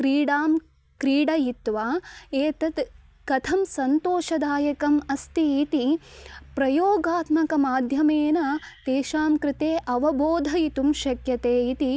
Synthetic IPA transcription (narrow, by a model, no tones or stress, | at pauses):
kɾiːɖaːm | kɾiːɖɐjit̪ʋaːeːt̪ɐt̪ | kɐt̪ʰɐmsɐnt̪oːʃɐd̪aːjɐkɐmɐst̪iːt̪ipɾɐjoːɡaːt̪mɐkɐmaːd̪ʱjɐmeːnɐt̪eːʃaːmkɾɪt̪eːʔɐʋɐboːd̪ʱɐjit̪umʃɐkjɐt̪eːit̪i